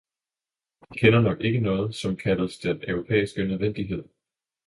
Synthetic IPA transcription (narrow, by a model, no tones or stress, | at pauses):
jikʰenɐnɒ̽ɡ̥e̝ɡ̥ənɔ̽ːð̞̩ˠsɒ̽mkʰæləsd̥enœʊʁo̝pʰḛːisɡ̥ənøð̞ˠʋen̰d̥iɦe̝ð̞̰ˠ